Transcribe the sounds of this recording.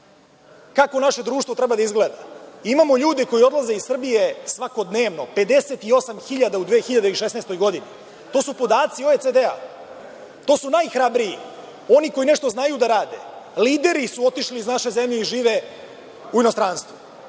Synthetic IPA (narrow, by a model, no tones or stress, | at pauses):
kako̞naʃe̞d̪ɾuːʃt̪vot̪ɾe̞bad̪aizɡled̪aimamo̞ʎuːd̪iko̞jio̞d̪lˠaze̞izsr̩bije̞sʋako̞d̪ne̞ːʋno̞pe̞d̪e̞set̪io̞samxiʎad̪aud̪ʋeːxiʎad̪eiliʃesneːst̪o̞jɡo̞d̪ini | t̪o̞ːsupo̞d̪aːt̪sioet̪ed̪ea̰ | t̪o̞ːsunajxɾabɾijḭ | o̞niko̞ineʃt̪oznajud̪aɾaːd̪ḛliːd̪e̞ɾisuo̞t̪iʃliːznaʃe̞zemʎeiʒiːʋe | uino̞st̪ɾanst̪ʋu